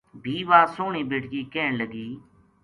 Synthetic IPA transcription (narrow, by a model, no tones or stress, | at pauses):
bʱiːʋaːsoːɳiːbeːʈɡiːkeːɳləɡiː